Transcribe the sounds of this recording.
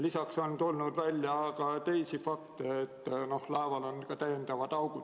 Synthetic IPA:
lisɑkso̞nt̪ulnud̪vælʲjɑːɡ̥ɑt̪e̞jsifɑkt̪eet̪ːno̞hlɑevɑlonkɑt̪æjːend̪̥ɑvɑd̪̥ɑwɡu̥

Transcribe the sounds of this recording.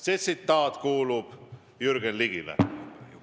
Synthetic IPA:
set̪sit̪ːɑːt̪kuːlub̥ | jyrɡ̥enliɡivæ̰

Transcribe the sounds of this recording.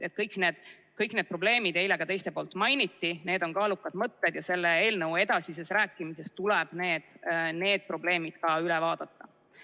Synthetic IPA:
et̪̚ːˑkɤjkːˑne̞ːd̪̥ | kɤjkned̪̥̚pro̞ble̞ːmid̪̥e̞jle̞ɡ̥ɑt̪e̞jst̪e̞poːlt̪ːˑmɑjnit̪ːine̞ːd̪o̞ŋkɑːlukːˑɑd̪̥mɤt̪ːe̞d̪̥jɑse̞lːe̞e̞ːlnɤwe̞d̪̥ɑsisesɾæːkːˑimise̞st̪ulɛb̥ne̞ːd̪̥ne̞ːd̪̥̚pro̞ble̞ːmid̪̥kɑylɛvɑːd̪̥ɑt̪ːɑ

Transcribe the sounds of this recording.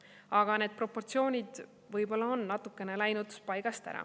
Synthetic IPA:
ɑɡ̥ɑne̞ːd̪̥̚pro̞pːo̞rt̪sio̞ːnʲid̪̥ | vɤjbo̞lːɑo̞nːɑt̪ːˑukːˑe̞ne̞læjnut̪pɑjɡ̥ɑst̪æ̰ɾɑ̰

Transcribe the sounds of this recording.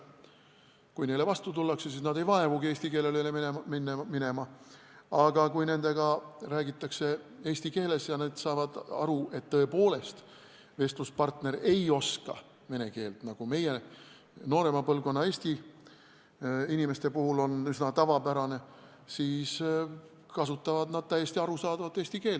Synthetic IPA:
kujne̞levɑst̪ut̪ulːɑkse̞sisnɑd̪e̞jvɑe̞vuɡie̞ːsʲt̪ike̞lelelemneminːemine̞mɑ | ɑɡ̥ɑkujne̞nd̪e̞ɡɑræːɡit̪ːˑɑkse̞e̞ːst̪ike̞ːle̞sjɑneːd̪̥sɑːvɑd̪̥ɑ̰ɾuʔe̞t̪ːɤ̞e̞po̞ːle̞st̪ | ve̞st̪luspɑrt̪ne̞ɾe̞jo̞skɑ̰ | ve̞ne̞ke̞ːlt̪nɑɡ̥ume̞je | no̞ːɾe̞mɑpɤlvko̞nːɑe̞ːsʲt̪i | inime̞st̪e̞puhulo̞nysnɑt̪ɑvɑbæɾɑne̞ | siːs | kɑsut̪ːˑɑvɑd̪nɑd̪̥̚t̪æjːest̪iɑɾusɑːd̪̥ɑvɑd̪eːsʲt̪ike̞ːl

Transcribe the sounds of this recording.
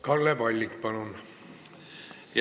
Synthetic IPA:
kɑlːepɑlʲːikpɑlun | j

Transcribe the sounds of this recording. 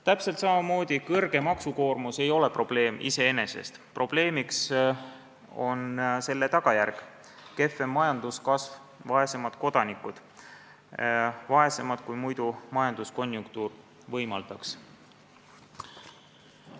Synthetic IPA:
t̪æpselt̪sɑmɑmo̞ːd̪̥ʲikɤrɡ̥e̞mɑksuko̞ːrmuse̞jo̞le̞pro̞b̥le̞ːmʔḭse̞ene̞se̞̰st̪pro̞b̥le̞ːmiks | o̞nse̞lːe̞t̪ɑɡ̥ɑjærɡ̥ | ke̞fe̞mːɑjɑnd̪̥uskɑsv | vɑe̞se̞mɑd̪̥ko̞d̪̥ɑnikːud̪̥ | vɑe̞se̞mɑd̪̥kujmujd̪̥umɑjɑnd̪usko̞nʲjuŋk̚t̪uːr | vɤjmɑld̪̥ɑks

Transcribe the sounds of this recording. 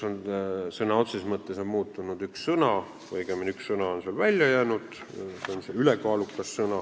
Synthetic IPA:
sonsɤnɑot̪sismɤt̪ːˑesonmuːt̪ːˑunud̪̥ykssɤnɑ | vɤjɡ̥eminykssɤnɑo̞nselvælʲjɑjæːnud̪̥ | seonseylekɑːlukːˑɑsːɤnɑ

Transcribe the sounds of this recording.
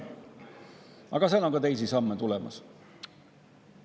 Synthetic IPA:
ɑ̰ɡ̥ɑsenonŋkɑt̪e̞js̬isɑmːet̪ulɛmɑ̰s

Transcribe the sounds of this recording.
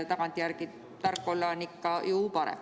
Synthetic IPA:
t̪ɑkɑnt̪ʲjærɡi | t̪ɑrkːˑolːɑnikːˑɑjuːpɑɾḛ

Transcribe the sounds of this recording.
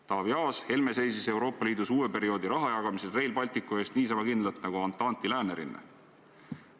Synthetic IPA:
t̪ɑːvjɑːshe̞lme̞se̞jsise̞wɾo̞ːpːˑɑliːd̪usuːwe̞pe̞ɾio̞ːd̪̥iɾɑɦɑjɑɡ̥ɑmiselre̞jlpɑlʲt̪ikːˑue̞ːst̪niːs̬ɑmɑkind̪lɑlt̪nɑɡuɑnt̪ːˑɑːnt̪ilæːne̞ɾḭnḛ

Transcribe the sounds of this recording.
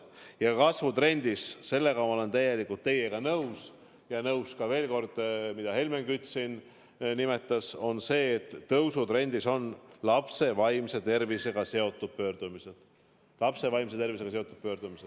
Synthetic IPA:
jɑkɑsvut̪ɾe̞nʲd̪isse̞lːe̞ɡɑmɑo̞le̞nt̪æje̞likˑult̪ːe̞je̞ɡ̥ɑnɤws | jɑnɤwskɑve̞ːlko̞rd̪̥mid̪̥ɑhe̞lmeŋkyt̪sin | nime̞t̪ːˑɑso̞nse̞ːt̪ːɤwsut̪ɾe̞nʲd̪̥iso̞nlɑpse̞vɑjmse̞t̪e̞rvise̞ɡ̥ɑse̞o̞t̪ːˑud̪̥̚pø̞ːrd̪̥umised̪̥ | lɑpse̞vɑjmse̞t̪e̞rvise̞ɡ̥ɑseo̞t̪ːˑud̪̥̚pø̞ːrd̪̥umise

